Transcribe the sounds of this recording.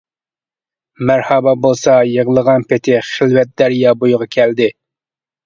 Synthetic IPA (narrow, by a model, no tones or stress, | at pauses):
mæɾhɑbɑbolˠsɑjəʁlˠəʁɑnpɪt̪ʰɪχɪlwɛt̪̚d̪æɾjɑbojʊʁɑkʲʰɛld̪ɪ